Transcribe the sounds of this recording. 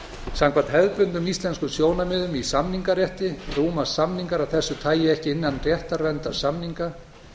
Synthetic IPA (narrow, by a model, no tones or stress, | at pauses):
saŋkʰvaɾt̪hɛðpʏnʏmist̪lɛnskʏsjoːwnamɪðʏmisamniŋkaɾjɛht̪ɪruːmasːamniŋkaɾawθɛsːʏt̪ʰaːjɪɛhcɪɪnːanrjɛht̪aɾvɛnt̪aɾ̥samniŋka